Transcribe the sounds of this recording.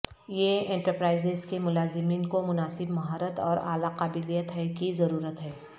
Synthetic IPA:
jeẽɳʈəɾpɾaːɪzezkemʊlaːzɪmiːnkomʊnaːsɪbmɐɦɔːɾət̪ɔ̰ːɾaːlaqaːbɪlijət̪ɦɛkizɐɾuːɾət̪ɦɛː

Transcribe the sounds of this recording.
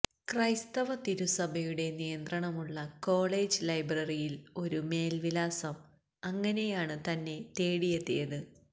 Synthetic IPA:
krɐjst̪ɐʋɐt̪iɾusɐbʱɐjuɽe̞nijɐnd̪rɐɳɐmuɭːɐko̞ːɭe̞ːd͡ʑɨlɐjbrɐrijilo̞ɾume̞ːlʋilaːsɐm | ɐŋːɐne̞jaːɳɨt̪ɐnːe̞t̪e̞ːɽijɐt̪ːijɐðɨ

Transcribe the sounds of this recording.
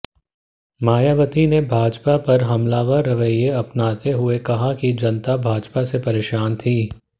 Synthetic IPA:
maːjaːʋət̪inebʱaːd͡ʒpapɐɾɦɐmlaːʋəɾːɐʋəieɐpnaːt̪eɦʊekɐɦakid͡ʒɐnt̪abʱaːd͡ʒpasepɐɾeːʃaːnt̪ʰiː

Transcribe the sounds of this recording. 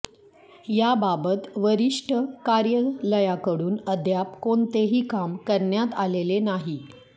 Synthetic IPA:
jababət̪ʋəɾiʂʈʰəkaɾjələjakəɽuːnəd̪ʱjapkoɳt̪eɦiːkamkəɾɳjat̪alelenaɦi

